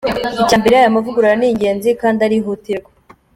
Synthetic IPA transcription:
icaːmbe̞ɾeajamavuɡuɾaɾaniːɲɟe̞ːnzikaːndaɾiɦutiɾɡe

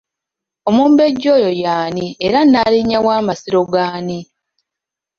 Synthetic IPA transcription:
o̞muːmbe̞ɟːo̞ːjo̞jaːnieɾanːaliɲːawaːmasiɾo̞ɡaːni

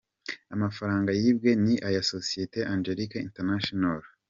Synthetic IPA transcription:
amafaɾaːŋɡajiːb̚ɡe̞niʔajasosijeteʔand͡ʒeɾikaḭnteɾnaʃonal

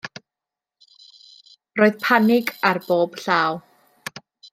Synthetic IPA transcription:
roːɨðpʰanɪɡarb̥oːb̥ɬaːw

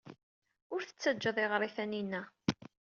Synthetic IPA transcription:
ʊɾθə̥t͡sːæd͡ʒːəðˤeʁɾˤiθæninːæ

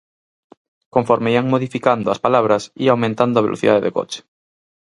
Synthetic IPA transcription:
koɱfoɾmeiaŋmoðifikand̪oaspalaβ̞ɾasiawmẽnt̪and̪oaβelo̰θḭða̰ðeðḛko̰t͡ʃe̥

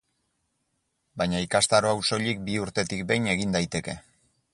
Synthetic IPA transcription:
bajɲaikast̪aɾoawso̞ʎik̚biuɾt̪e̞t̪ik̚be̞jne̞ɣ̞ind̪ajt̪e̞ke̞

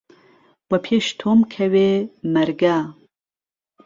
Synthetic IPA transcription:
wɐpʰeʃt̪ʰomkʰɐwemɐɾɡa

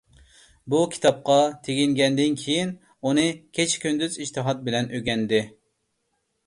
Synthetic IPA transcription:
bukʲʰi̥t̪ʰɑp̚qɑt̪ʰeɡʲiŋɡʲɛnd̪ɪnkʲʰijin | unɨkʲʰet͡ʃʰkʲynd̪yziʃt̪ʰɨɦɑt̪̚bɪlɛnøɡʲɛnd̪ɪ

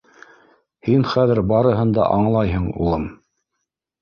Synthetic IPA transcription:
hinχæðɘɾbɑɾɤ̆ɦɤnd̪ɑ̰ʔɑɴlˠɑjɦɤɴṵlˠɤm

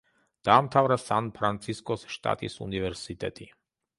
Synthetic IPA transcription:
d̪̥aːmt̪ʰavɾasanpʰɾant̪sʰiskʼɔsʃt̪ʼa̰t̪ʼisṵnivɛɾsit̪ʼɛ̰t̪ʼi

